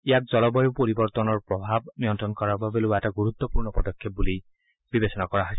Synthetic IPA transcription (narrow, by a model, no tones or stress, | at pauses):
ijak̚zɔlɔbɔjopoɾibɔɹt̪ɔnɔɹpɹɔbʱab̚nijɔntɹɔnkɔɹaɹbʱabeluɛtaɡuɾut̪ːɔpuɹnɔpɔd̪ɔkʰːjep̚buli | bibesɔnakɔɹaɦɔjs